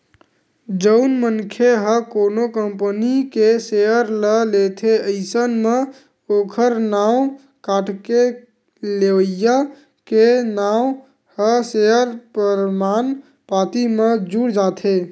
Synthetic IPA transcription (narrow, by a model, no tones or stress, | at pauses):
d͡ʒəʊnmənkʰeɦəkoːnokəmpənikeseəɾləlet̪ʰeəɪsənme | oːkʰəɾnaːu | kaːʈke | leʋəja | kenaːw | həsejəɾpəɾmaːn | paːt̪imed͡ʒuɽd͡ʒat̪ʰe